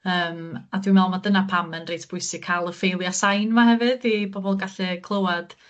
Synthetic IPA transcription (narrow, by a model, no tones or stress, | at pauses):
əːmadwimɛlˠmadənapʰamənrejtʰb̥ʊɨsɪkʰalˠəfejlˠjasajnmaɦɛvɨdibɔbɔlˠɡaɬɛkʰlˠəwad̥